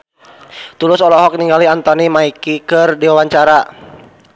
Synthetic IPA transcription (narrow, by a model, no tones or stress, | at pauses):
t̪ulʊsɔlɔɦɔk̚niŋɡaliant̪ɔnimaikikɨrdiwawaɲt͡ʃaɾa